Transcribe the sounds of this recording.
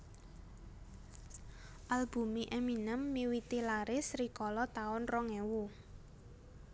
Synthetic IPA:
ʔalb̥ṳmiʔɛminəmːiwit̪ilaɾɪsɾikɔlɔt̪aʊnrɔŋɛwu

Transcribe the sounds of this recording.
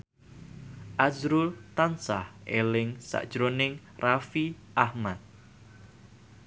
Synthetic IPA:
ʔazɾult̪ansahʔelɪŋsa̰ʔd̥ʒ̥ɾonɪŋ | rafi | ʔahmat̪̚

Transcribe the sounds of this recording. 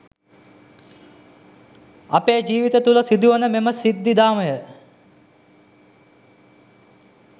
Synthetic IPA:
apeːd͡ʒiːʋit̪ət̪uləsid̪uʋənəmeməsid̪ːid̪aːməjə

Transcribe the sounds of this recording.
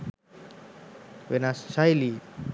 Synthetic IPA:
wenassajli

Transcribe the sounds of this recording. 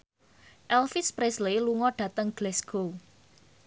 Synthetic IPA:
ʔɛlfɪspɾesleluŋɔɖ̥ä̤t̪əŋɡ̥lɛsɡ̥o

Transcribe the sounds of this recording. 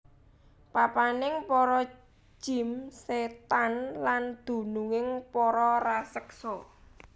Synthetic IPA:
papanɪŋpɔɾɔ̥ | d͡ʒ̥i̤mset̪anland̪̥ṳnuŋɪŋpɔɾɔrasəksɔ

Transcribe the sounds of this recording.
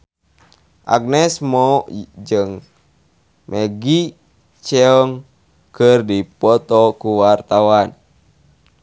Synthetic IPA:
ʔa̰ɡ̚nɛsmɔd͡ʒɨŋ | mʔɛɡi | t͡ʃɛɔŋ | kɨrdipɔt̪ɔkuwart̪awan

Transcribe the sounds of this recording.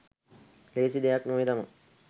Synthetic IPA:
leːsid̪ejaknoːjt̪ama

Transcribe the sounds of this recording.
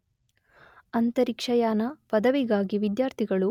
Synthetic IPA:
ɐnt̪ɐɾikʂɐjaːnɐpɐd̪ɐʋiɡaːɡiʋid̪jaːɾt̪ʰiɡɐɭu

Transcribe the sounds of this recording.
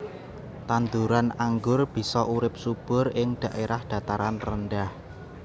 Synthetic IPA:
t̪and̪uɾanaŋɡʊrb̥i̤sɔʔuɾɪp̚sub̥ʊ̤ɾɪŋɖ̥a̤ʔeɾahd̪̥a̤t̪aɾanrənɖah

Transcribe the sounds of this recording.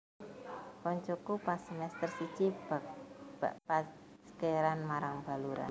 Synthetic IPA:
kɔɲt͡ʃokupasəmɛst̪ərsit͡ʃibḁ | paskeɾanmaɾaŋb̥a̤luɾa̰n

